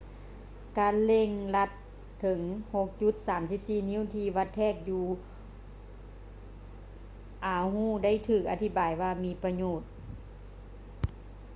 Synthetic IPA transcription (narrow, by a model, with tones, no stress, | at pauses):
kaː˨˧˦nle˧˨ŋla˧t̪ʰː | ɤ˨˩˦ŋho˧˥k̚t͡ɕu˧˥t̪̚saː˩˦msi˧˥p̚siː˧˩ni˧˦˥wt̪ʰiː˧ʋa˧˥t̪ʰːɛː˧˩k̚juː˧ | ʔaː˨˩˦whuː˥˩da˥˨jt̪ʰɯː˧˨˩k̚ʔa˧t̪ʰi˧˥baː˨˩jwaː˧miː˧˥˨pa˧ɲoː˧˩t̪̚